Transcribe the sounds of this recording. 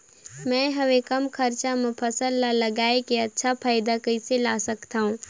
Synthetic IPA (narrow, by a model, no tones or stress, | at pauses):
mɛ̃ːɦɐʋekɐmkʰɐɾt͡ʃamɪ̃pʰəsəlːalɐɡaːekeɐtːʃʰapʰaːɪd̪akɐɪselaːsɐkt̪aɦũː